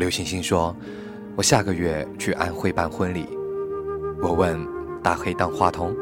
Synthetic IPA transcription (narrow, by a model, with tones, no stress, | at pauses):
ljo˧˥ʊɕi˧˥ŋɕi˥ŋʂwɔ˥ | wɔ˨˩ɕja˥˩ɡə˨ɥɛ˥˩t͡ɕʰy˥˧ʔa̰˥˧nxwe˥˧ɪpa˥˧nxwə˥nlḭ˨˩˦ | wɔ˨˩wə˥˧nt̪a˥˩xwe˥˧ɪt̪ɑ˥˧ŋxwa˥˧t̪ʰʊ˧˥ŋ